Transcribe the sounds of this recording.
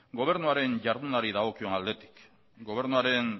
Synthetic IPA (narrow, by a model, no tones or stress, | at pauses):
ɡo̞β̞e̞ɾnuaɾe̞nʝaɾðunaɾiðaɣ̞o̞kio̞nald̪e̞t̪i̥k | ɡo̞β̞e̞ɾnuaɾe̞ŋ